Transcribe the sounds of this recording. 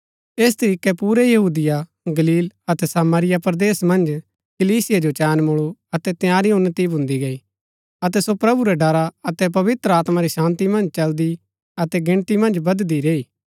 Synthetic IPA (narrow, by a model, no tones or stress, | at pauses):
eːs̬t̪ɐɾiːkɛpuːɾɛjɐɦuːd̪ɪja | ɡɐliːlɐt̪ɛsaːmaːɾɪjapɾd̪eːsmɐ̃nd͡ʒ | kɐliːsɪjad͡ʒot͡ʃɛːnmʊɭuɐt̪ɛt̪ɪjaːɾiʊnːət̪ibʱʊ̃nd̪iɡɐi | ɐt̪ɛsopɾɐbuɾɛɖɐɾaɐt̪ɛp̬ɐʋɪt̪ɾəaːt̪maɾisãːnt̪imɐ̃nd͡ʒt͡ʃɐld̪i | ɐt̪ɛɡɪ̃ɽ̃t̪imɐ̃nd͡ʒbɐd̪d̪iɾeːiː